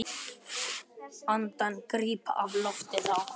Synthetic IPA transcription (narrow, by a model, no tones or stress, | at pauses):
ant̪ankɾiːpa̰ʔavlɔft̪ɪðaw